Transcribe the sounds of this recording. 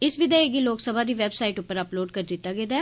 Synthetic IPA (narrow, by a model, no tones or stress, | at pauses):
ɪsʋɪd̪ɛeɡiːloːksəbaːd̪iːʋɛːbsaːɪʈʊpːəɾəploːɖkəɾd̪ɪt̪ːaːɡeːd̪a